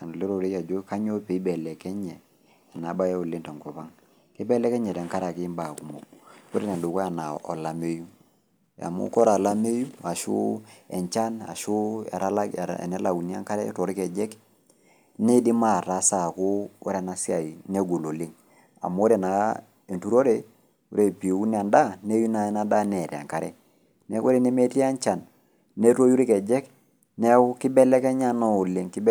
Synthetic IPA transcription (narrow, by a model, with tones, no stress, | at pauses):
n˨li˦ɾo˨ɾi˦a˨d͡ʒo˦ka˦ɲo˦pe˨˦i˦bɛ˨lɛ˨kɛ˦ɲɛ˨ | a˨na˨˦ba˦jɛ˦u˨li˦nto˨ŋkɔ˨pa˦ŋ | ke˦bɛ˦lɛ˦kɛ˦ɲɛ˨dɛ˨ŋka˦ɾa˨ki˦mba˨ku˨mo˨pu˦ɾe˦ne˨du˨ko˦a˨na˨ɔ̰˨la˨me˦ju˦ | a̰˨mṵ˦kɔ˦ɾa˨la˦me˦ju˦a˨ʃṵ˦ɛ˨ɲt͡ʃa˦na̰˨ʃu˦ɛ̰˨ɾa˦la̰˦˨nɛ˦la˨u˨ni˦a˦ŋka˦ɾɛ˦to˨ɾi˦kɛ˨d͡ʒɛ˦k | nɛ˦di˦ma˦˨ɾa˨sa˨ko˦u˦ɾɛ˨na˨si˦a˨i˨ne˦ɡo˨lo˨le˦ŋ | a̰˨m˦ɾe˨na˨ | e˨ntu˦ɾo˦ɾe˨ | u˦ɾe˨pi˨u˦n˦a˨nda˦ne˦ju˦na˨ɛ˦na˦da˦nɛ˨ɾja̰˨ŋka˦ɾɛ̰˦ | nɛ˦ko˦ɾe˨ne˦me˦ti˦a˦ɲt͡ʃa˨n | ne˦to˦ju˦ɾi˦kɛ˨d͡ʒɛ˦k | nɛ˦kɪ˦bɛ˦lɛ˦kɛ˦ɲa˦nɔ˦o˨le˦ŋki˦b